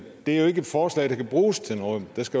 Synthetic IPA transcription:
d̥e̝æɐjoe̝ɡ̥əed̥fɒːslɛ̰ɪɾ̥ɑ̈kʰæb̥ʁuːst͡sʰenɔ̽ːð̩ˠd̥æsɡ̥æ

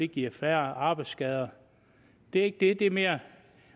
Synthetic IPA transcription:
e̝ɡ̥iɐ̰flæːɐɑ̈ːb̥ɑ̈ɪd̥sɡ̥ɛð̞ˠɐ | d̥e̝æɐe̝ɡ̥̚d̥e̝d̥eme̝ːɐ

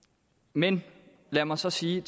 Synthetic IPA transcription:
men | læɐmɑ̈sɒ̽siːt͡sʰ

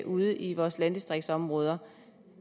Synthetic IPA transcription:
ʔuð̞ˠʔiʋɒːslænd̥isd̥ʁeɡ̥̚d̥sɒ̽mʁɔ̽ːð̞ˠɐ

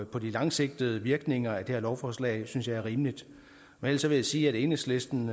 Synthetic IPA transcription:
pʰɒ̽d̥ilɑ̈ŋse̝ɡ̥̚d̥əð̩ˠəʋiɐɡ̥ne̝ŋɐæd̥e̝heɐlɒʊfɒslɛ̰ːɪsynsjɑ̈ɪæɐʁiːmlid̥ | menæl̰̥sɒ̽ʋe̝jæsiːæɾ̥e̝nəsle̝sd̥n̩

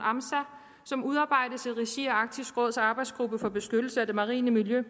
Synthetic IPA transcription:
ɑmsæ | sɒ̽muðˠɑ̈ːb̥ɑ̈ɪ̰d̥ət͡sʰe̝lʁiɕiɒɑ̈ɡ̥̚dʰisɡ̥ʁɔ̽ð̰ˠsɑ̈ːb̥ɑ̈ɪdsɡ̥ʁub̥əfɒ̽b̥e̝sɡ̥ød̥l̩səæd̥e̝mɑ̈ʁḭːnəmiljø

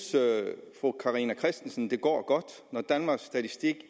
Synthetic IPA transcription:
sfʁukʰɑ̈ʁinækʰʁɛsd̥n̩sn̩d̥e̝ɡ̥ɒ̰ːɡ̥ɒ̽d̥nɒd̥ænmɑ̈ːɡ̥sːd̥æt͡sʰisd̥iɡ̥

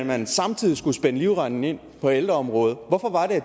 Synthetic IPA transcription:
mænsɑ̈mt͡sʰið̰ˠisɡ̥usb̥enəliʊʁɑnn̩e̝n̰ | pʰɒ̽eld̥ʁɐɒ̽mʁɔ̽ːð̞̩ˠʋɒ̽fɒ̽ʋɑ̈ɾ̥eæ

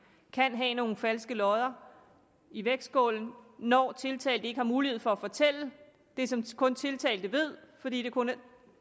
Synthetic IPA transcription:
kʰænɦɛno̝ːn̩fælsɡ̥əlɒ̽ðˠɐ | iʋeɡ̥ssɡ̥ɔ̰ːln̩nɒ̰ːt͡sʰe̝lt͡sʰɛ̰ːɪld̥əeɡ̥əhɑ̈muːlihe̝ð̞̰ˠfɒ̽æfɒ̽t͡sʰel̰ə | d̥e̝sɒ̽mkʰɔ̽nt͡sʰe̝lt͡sʰɛ̰ːld̥əʋe̝ð̞̰ˠfɒ̽dḭːd̥e̝kʰon

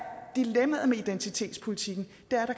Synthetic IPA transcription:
d̥ilemɐð̩ˠmeid̥ent͡sʰit͡sʰe̝̰ːd̥spʰo̝lit͡sʰiɡ̥n̩ | d̥æɐɐɾ̥ɑ̈k

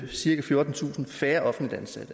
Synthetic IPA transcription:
siɐkæfjo̝ɐd̥n̩t͡sʰṵːsn̩fæːɐʔɒ̽fn̩lid̥ænsæ̰d̥ə

